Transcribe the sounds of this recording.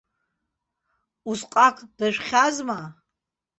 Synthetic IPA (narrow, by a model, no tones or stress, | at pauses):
uzqʼakʷʼd̥aʒʷχʲazma